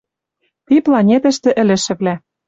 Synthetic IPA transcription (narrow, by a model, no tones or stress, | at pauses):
t̪iplɑnʲet̪ə̆ʃt̪ɘ̆ʔɘ̆lɘ̆ʃɘ̆βlæ